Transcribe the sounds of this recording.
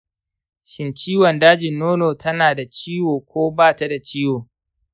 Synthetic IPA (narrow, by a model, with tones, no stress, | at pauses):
ʃɪ˨nt͡ʃiː˦wɔ˨ndaː˦d͡ʒɪ˨nːoː˦noː˨tʰɐ˦naː˨da˨t͡ʃiː˦woː˨kʷoː˦baː˦˨ta˦da˨t͡ʃiː˦woː˨